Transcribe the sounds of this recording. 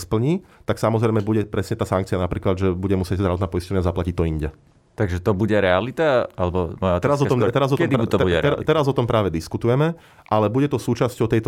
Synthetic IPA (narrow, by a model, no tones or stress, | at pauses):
spl̩ɲiːt̪aksamɔzɾɛjmɛbuɟɛpɾɛsɲɛt̪aːsaŋk̚t͡sianapɾiːklad̪ʒɛbuɟɛmusɪɛɟzd̪ɾaʋɔt̪naːpɔiscɔʋɲazaplacit̪ɔiɲɟɛ | t̪aɡʒɛt̪ɔbuɟɛɾɛalit̪aalɛbɔmɔjat̪ɛɾazɔt̪ɔmt̪ɛɾazɔtkɔɛd̪ɔuɛɛat̪ɛɾazɔt̪ɔmpɾʔaːʋɛd̪iskut̪ujɛmɛ | ʔalɛbuɟɛt̪ɔsuːt͡ʃascɔʊt̪ɛjt̪ɔ